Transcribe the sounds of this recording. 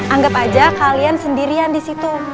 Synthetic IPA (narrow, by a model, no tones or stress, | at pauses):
ʔaŋɡapad͡ʒakaliansəndiɾiandisit̪u